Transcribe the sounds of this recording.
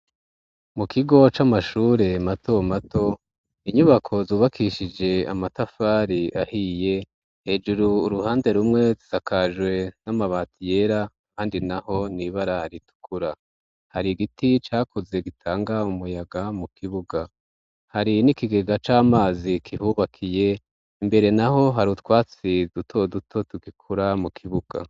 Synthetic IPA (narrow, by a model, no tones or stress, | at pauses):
mukʰiɡo̞t͡ʃamaʃuːɾe̞matʰo̞mato̞ | iɲuβakʰo̞zuːβakʰiʃid͡ʒe̞a̰matafaːɾiʔahije̞ | he̞ːd͡ʒuɾuːɾuhaːnde̞ɾumŋe̞zizakʰaʒwe̞namaβaːtʰije̞ɾa | kaːndinaho̞niβaɾahaɾitu̥kʰuɾa | haɾiɡitit͡ʃaːkuze̞ɡitʰaːŋɡaumujaɡamukiβuɡa | haɾinikiɡe̞ɡat͡ʃaːmaːzikʰihuβakʰije̞ | imbe̞ɾe̞naɦo̞ɦaɾutwaːt͡sidutʰo̞dutʰo̞tuɡikʰuɾamukʰiβuɡ̥a̰